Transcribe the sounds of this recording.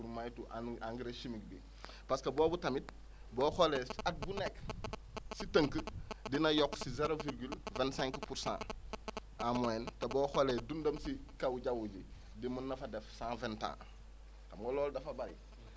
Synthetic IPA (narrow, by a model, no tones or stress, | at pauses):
uɾmajtuʔaʔaŋɡiɾeʃimikbi | paskɐboːbutamit̚ | boːxoleat̚bunek | sitəŋkədinajokːsizeɾoviɾɡylvɛ̃nsɛ̃ŋkpuɾsã̰ː | amoentaboːxoledundɐmsikawuɟawuɟi | dimunːafadefsãːventã̰ː | kamɡoloːldɐfabaɾḭ